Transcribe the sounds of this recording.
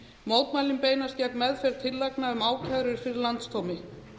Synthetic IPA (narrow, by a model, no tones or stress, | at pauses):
mowt̪maːjlɪmpeːjnascɛkmɛðfɛɾ̥t̪ʰɪlːaknaʏmaːwcʰaðɾʏɾ̥fɪɾɪɾlant̪st̪ʰowmɪ